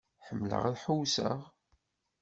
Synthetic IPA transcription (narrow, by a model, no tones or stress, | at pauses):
ħəmːlə̰ʁæðħuwsəʁ